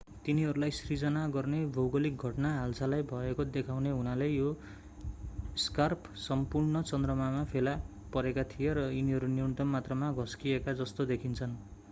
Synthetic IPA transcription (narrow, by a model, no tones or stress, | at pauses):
t̪iniɦʌɾulajsrid͡zʌnaɡʌrnebʱʌwɡʌlik̚ɡʱʌʈnaɦalsʰalajbʱʌekod̪ekʰawneɦunalejjo | skarp | sʌmpurnʌt͡sʌnd̪rʌmamapʰela | pʌɾekat̪ʰijeɾʌiniɦʌɾunirnut̪ʌmːat̪rʌmaɡʱʌskiekad͡zʌst̪od̪ekʰint͡sʰʌn